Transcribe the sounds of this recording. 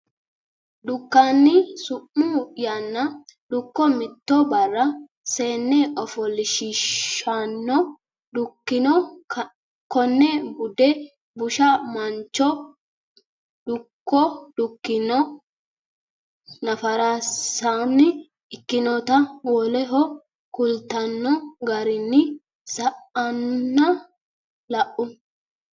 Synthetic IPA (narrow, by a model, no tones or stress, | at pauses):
d̪ʊkːanːɪsʊʔːujanːɐd̪ʊkːɔmɪt̪ːɔbɐrːɐ | seːnːɛʔɔfɔlɪʃɪʃːanːɔ | dʊkːɪnɔ | kɔnːɛbʊd̪ɛ | bʊʃamɐnt͡ʃːɔ | d̪ʊkːɔd̪ʊkːɪnɔ | nɐfɐɾasanːɪ | ɪkːɪnɔt̪ɐwɔlɛɦɔ | kʊlt̪ɐnːɔɡɐɾɪnːɪ | sɐʔɐnːɐ | lɐʔʊ